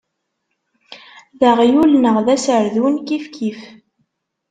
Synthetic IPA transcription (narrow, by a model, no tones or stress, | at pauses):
ðəʁjulnəʁðæsɾðwənkifkʰif